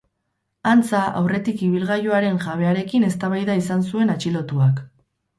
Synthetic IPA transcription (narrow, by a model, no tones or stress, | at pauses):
ant͡saʔa̰wre̞t̪ikiβ̞ilɣajoaɾe̞ŋʝaβ̞e̞aɾe̞kine̞st̪aβajðaisansue̞nat͡ʃilo̞t̪uak